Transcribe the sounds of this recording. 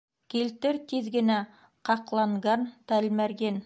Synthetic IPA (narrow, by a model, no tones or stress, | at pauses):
kilt̪ɘɾt̪iðɡɘ̆næ | qɑqlˠɑɴɢɑnt̪ælmæɾɡen